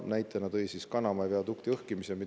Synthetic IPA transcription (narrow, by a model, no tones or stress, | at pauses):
næjt̪ːˑenɑd̪ɤjsiskɑnɑmɑjveɑt̪ukt̪iɤhkimisemi